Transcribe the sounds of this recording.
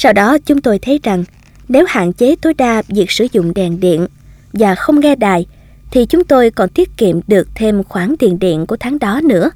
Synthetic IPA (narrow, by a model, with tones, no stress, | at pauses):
saː˧wɗɔ˨˦t͡ɕʊ˨˦ŋ͡mt̪o˧jt̪ʰə˨˦jza˨˩ŋ | ne˨˦wha̰ː˧˨nt͡ɕe˨˦t̪o˨˦jɗaː˧vi˨˩ək̚sɨ˧˩zʊ̰˧˨ŋ͡mɗɛ˨˩nɗḭ˧˨ən | vaː˨˩xə˧wŋ͡mɣɛ˧ɗaː˨˩j | t̪ʰi˨˩t͡ɕʊ˨˦ŋ͡mt̪o˧jkɔ˨˩nt̪i˦˥ət̚kḭ˧˨əmɗɨ˨˩ək̚t̪ʰe˧mxwaː˧˩ŋt̪ḭ˧˨ənɗḭ˧˨ənku˧˩ət̪ʰaː˨˦ŋɗɔ˨˦nɨ̰˧˥ə